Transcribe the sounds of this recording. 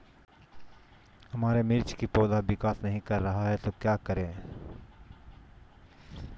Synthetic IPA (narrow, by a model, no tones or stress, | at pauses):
ɦɐmaːɾemɪɾt͡ʃkipoːd̪aʋɪkaːsnɐɦĩkɐɾːɐɦaɦɛt̪okjaːkɐɾẽː